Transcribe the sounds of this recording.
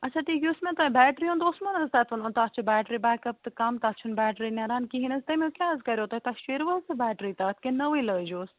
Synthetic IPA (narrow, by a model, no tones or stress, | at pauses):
ɐtːt͡ʃʰaːʈiːkʲusmẽt̪ãːĩbɛːʈɾiũnd̪oːsmɐnɐzt̪aːt̪ʰʋɐnõnt̪at͡ʃʰubɛːʈɾibɛːkɐp̚t̪ɨkɐmt̪at͡ʃʰunbɛːʈɾinɐɾaːnkiɦinɐst̪ɐmẽkʲaːzkɐɾjot̪ɐit̪ɐʃeɾʋɐt̪ɨbɛːʈɾit̪aːt̪̚ʰkenɐʋiləːd͡ʒoːs